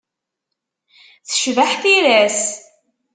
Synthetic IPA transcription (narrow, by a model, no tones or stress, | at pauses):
θə̥ʃvaħθiɾæs